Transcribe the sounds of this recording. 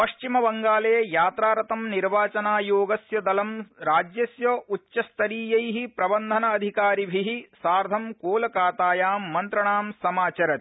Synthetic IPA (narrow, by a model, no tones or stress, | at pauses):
pɐʃt͡ʃimɐbɐŋɡaːlɐjɐjaːt̪ɾaːɾɐt̪ɐmniɾʋaːt͡ʃɐnaːjoːɡɐsjɐd̪ɐlɐmɾaːd͡ʒjɐsjɐʔut͡ʃʃɐst̪ʰɐɾiːjɐjɦipɾɐbɐnd̪ʱɐnɐːd̪ʱikaːɾibʱiɦisaːɾd̪ʱɐmkoːlɐkaːt̪aːjaːmːɐnt̪ɾɐɳaːmsɐmaːt͡ʃɐɾɐt̪